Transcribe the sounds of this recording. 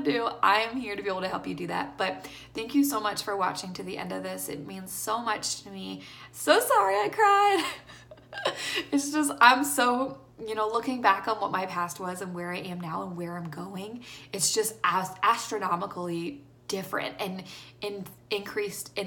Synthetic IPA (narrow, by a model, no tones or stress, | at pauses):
dʉʔaɪɨ̃mhiɹɾɨbieɪbl̩ˠtʰɨɦɛlˠpjɨɨdɨðæ̰t̚b̥ʌt̪̚ | θæ̃ŋkjɨsoʊmʌt͡ʃfə˞wɑ̰t͡ʃɪ̃ŋtʰɨðiʔɛ̰̃ndʌvðɪsɨ̰t̚mĩnz̥soʊmʌt͡ʃtʰɨmisoʊsɑɹiaɪkʰɹ̥aɪd̥ | ɨtsd̥ʒ̥ʌstãɪ̃msoʊ | jɨñoʊlʊkɪ̃ŋbækn̩wʌt̚maɪpʰæst̚wʌzɨ̃nwə˞aɪɨ̃mnaʊə̃nwə˞ãɪ̃mɡoʊɪ̃ŋɨtsd̥ʒ̥ʌst̚æsʔæstɹ̥ɨnɑməkl̩ˠi | d̥ɪfɹɨ̰̃ntɨ̃nɨ̃nɨ̃nkʰɹ̥istɨ̃